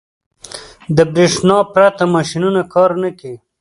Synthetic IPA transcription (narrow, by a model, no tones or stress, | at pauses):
d̪əbɾeʂnɑpɾat̪amɑʃinunakʰɑɾnəki